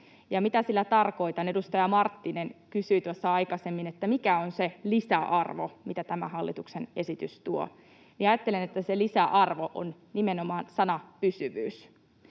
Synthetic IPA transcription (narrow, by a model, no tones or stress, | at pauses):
jɑmit̪æsilːæt̪ɑrko̞it̪ɑnedust̪ɑjɑmɑrt̪ːinenkysyːt̪uosːɑɑjkɑsemːinet̪ːæmikæonselisæʔɑrʋo̰mit̪æt̪æmæ̰hɑlːit̪uksene̞sit̪yst̪uo̰ | miɑjɑt̪ːelenet̪ːæselisæʔɑrʋoʔo̰n | nimenomɑːnsɑnɑpysyʋyːs